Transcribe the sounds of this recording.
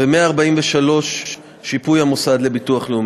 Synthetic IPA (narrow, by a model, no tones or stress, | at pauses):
bemeaːʁbaimveʃalo̞ʃː | ipujamosad̪le̞bituaχleum